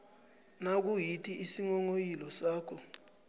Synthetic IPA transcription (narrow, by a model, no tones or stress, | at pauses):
nak̬ujitʰʼiisiŋɔŋojilɔsaːkʰɔ